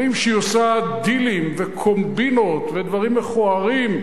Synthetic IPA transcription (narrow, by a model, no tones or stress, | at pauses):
imʃejosad̪ilimvekʰombinot̪ved̪vaʁimːeχuaʁim